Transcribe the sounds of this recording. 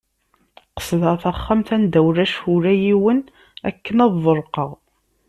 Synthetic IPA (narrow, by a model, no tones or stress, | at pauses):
qə̥sˤðəʁθæχːæmθænd̪æwɾæʃhʊɾæjiwən | æ̰kːənɑðˤəɾˤqɑʁ